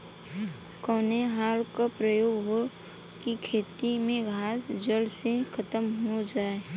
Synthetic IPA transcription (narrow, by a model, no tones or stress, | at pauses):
kɔːneɦaːlkapɾəjoːɡɦo | kikʰeːt̪imẽɡʱaːsd͡ʒəlsekʰət̪əmɦod͡ʒaːe